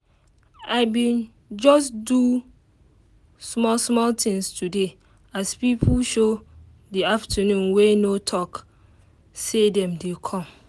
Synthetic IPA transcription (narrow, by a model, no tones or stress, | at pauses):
aɪbĩn | d͡ʒɔs̬du | smɔsmɔltĩŋstude | aspipʰulʃo | diaftʰənũnwenotʰɔk | sedɛ̃mdekʰɔ̃m